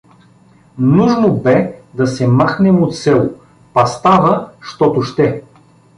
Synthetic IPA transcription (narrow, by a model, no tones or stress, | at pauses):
nuʒnobɛd̪ɐsɛmaxnɛmot̪sɛlˠo | pɐst̪avəʃt̪ɔt̪ʊʃt̪ɛ